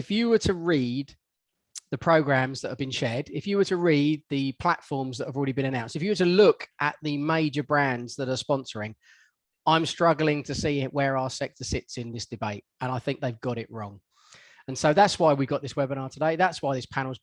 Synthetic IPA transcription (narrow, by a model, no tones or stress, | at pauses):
ɪfjəwətʰəɹiːd̪̚ | ðəpʰɹ̥əʊɡɹãmzðətəvbɨ̃nʃɛːdɪfjəwətʰəɹiːd̪̚ðəpʰl̥atfɔːmzðətəvɔlˠɹɛɾibɨ̃ñənãʊ̃nstɪfjəwətəlʊkʔə̰ʔðəmeɪd͡ʒəbɹæ̃ndzðəɾəspɒ̃nsəɹɪ̃ŋ | ãɪ̃mstɹ̥ʌɡl̩ɪ̃ŋtʰəsiːɪʔwəɹaʊəsɛk̚tʰəsɪtsɪ̃nðɪsd̥ɪbeɪt̚ə̃ñaɪθɪ̃ŋk̚ðeɪvɡɒɾɪʔɹɔ̃ŋ | ə̃nsəʊðatswaɪwiɡɒʔ̚ðɪswɛbə̃ñɑːtʰədeɪðatswaɪðɪspʰanl̩ˠz